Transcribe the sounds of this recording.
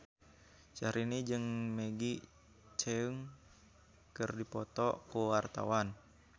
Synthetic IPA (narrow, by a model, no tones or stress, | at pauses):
t͡ʃaɾinid͡ʒɨŋmeɡi | t͡ʃeuŋ | kɨrdipɔt̪ɔkuwart̪a̰wan